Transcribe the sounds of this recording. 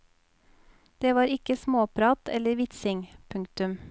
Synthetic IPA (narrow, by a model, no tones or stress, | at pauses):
d̪̥eːʋɑːɾɪkəsmoːpʰɾɑːt̪ʰɛləɾʋɪt̪sɪŋpʰʉŋkt̪ʉm